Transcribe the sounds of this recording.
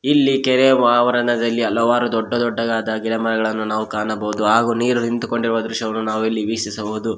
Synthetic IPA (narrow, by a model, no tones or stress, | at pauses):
ilːikɛɾemaːʋɐɾɐnɐd̪ɐlːiɐlːɐʋaːɾud̪ɔɖːɐd̪ɔɖːɐɡaːd̪ɐɡilɐmɐɾɐɡɐɭɐnːunaːʋukaːnɐbɐud̪uaːɡuːniːɾunint̪uko̞ɳɖiɾuʋɐd̪ɾuʃɐʋɐnːunaːʋuilːiʋisisɐboːud̪u